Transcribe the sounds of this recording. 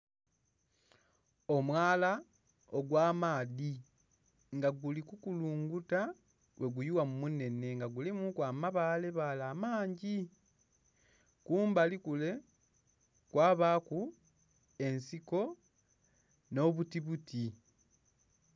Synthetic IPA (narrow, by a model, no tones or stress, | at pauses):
omwaːla | oɡwaːmaːði | ŋɡaɡulikukuluːŋɡuta | wʔe̞ɡujuwamumune̞ne̞ŋɡaɡulimukwaːmaβaːle̞βaːlaːmaːɲɟi | kuːmbalikule̞ | kwaːβaːku | e̞nsiko̞ | no̞βutiβutʰi